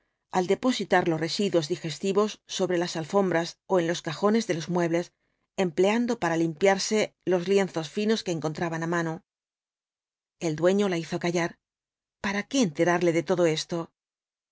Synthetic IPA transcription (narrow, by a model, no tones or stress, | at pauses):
ald̪e̞po̞sit̪aɾlo̞sre̞siðwo̞zðixe̞st̪iβo̞sːo̞βɾe̞lasalfo̞mbɾaso̞e̞nlo̞skaxo̞ne̞zðe̞lo̞zmwe̞βle̞s | e̞mple̞and̪o̞paɾalimpjaɾse̞lo̞zlje̞nθo̞sfino̞ske̞ːŋko̞nt̪ɾaβanamãno̞ | e̞ld̪we̞ɲo̞laiθo̞kaʝaɾ | paɾake̞ːnt̪e̞ɾaɾle̞ðe̞t̪o̞ðo̞e̞st̪o̞